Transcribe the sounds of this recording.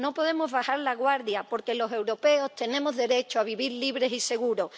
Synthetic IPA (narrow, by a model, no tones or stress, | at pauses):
no̞po̞ðe̞mo̞zβaxaɾlaɣwaɾðjapo̞ɾke̞lo̞se̞wɾope̞o̞st̪e̞nẽmo̞zðe̞ɾe̞t͡ʃoaβ̞iβiɾliβɾe̞sise̞ɣuɾo̞